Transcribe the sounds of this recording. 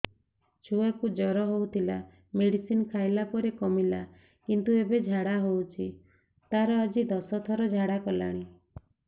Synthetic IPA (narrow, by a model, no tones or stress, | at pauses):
t͡ʃʰuakud͡ʒɔɾɔɦowt̪ʰila | meɽisinkʰajlapɔɾekɔmila | kint̪uebed͡ʒʱaɽaɦowt͡ʃʰi | t̪aɾɔad͡ʒid̪ɔsɔt̪ʰɔɾɔd͡ʒʱaɽakɔla̰ɽ̃i